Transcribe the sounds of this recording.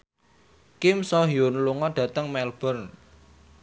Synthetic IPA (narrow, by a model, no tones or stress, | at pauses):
kɪmsɔɦjonluŋɔɖ̥ä̤t̪əŋmɛlb̥ərn